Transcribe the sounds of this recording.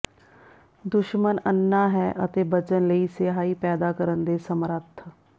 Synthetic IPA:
d̪ʊʃmənənːaːɦɛːʔət̪eːbət͡ʃənləiːseːɦaːiːpɛːd̪aːkəɾənd̪eːsəmɾət̪ʰː

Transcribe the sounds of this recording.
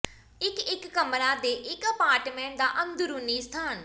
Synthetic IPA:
ɪkɪkːəmɾaːd̪eːʔɪkəpaːɾʈmɛ̃ːɳʈd̪aːʔənd̪ʊɾuːniːst̪ʰaːn

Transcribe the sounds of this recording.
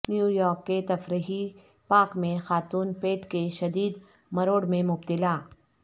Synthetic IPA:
njuːjɔːɾkːet̪ɐfɾiɦi | paːkmẽxaːt̪uːnpeːʈkeʃɐd̪iːd̪ | mɐɾoːɽmẽmʊb̚t̪ɪlaː

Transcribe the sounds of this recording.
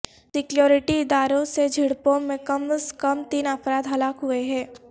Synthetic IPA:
sɪkljoːɾɪʈiɪd̪aːɾõsed͡ʒʱɪɽpõmẽkɐmskɐmt̪iːnəpɾaːd̪ɦɐlaːkɦʊeɦɛ̃ː

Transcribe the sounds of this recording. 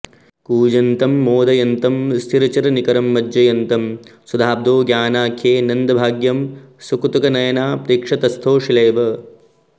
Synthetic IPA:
kuːd͡ʒɐnt̪ɐmːoːd̪ɐjɐnt̪ɐmst̪ʰiɾɐt͡ʃɐɾɐnikɐɾɐmːɐd͡ʒjɐjɐnt̪ɐmsud̪ʱaːb̚d̪oːɡjaːnaːkʰjeːnɐnd̪ɐbʱaːɡjɐmsukt̪ukɐnɐjɐnaːpɾiːkʂɐt̪ɐst̪ʰoːʃileːʋɐ

